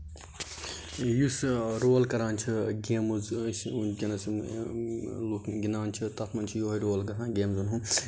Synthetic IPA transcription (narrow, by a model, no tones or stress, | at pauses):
jusɾoːlkɐɾaːnt͡ʃʰiɡeːmuzsunkʲɐnɐs | lukɡinaːnt͡ʃʰit̪ɐt̪ʰmɐnt͡ʃʰijoɦɐiɾoːlɡɐt̪ʰãːɡeːmzunɦũ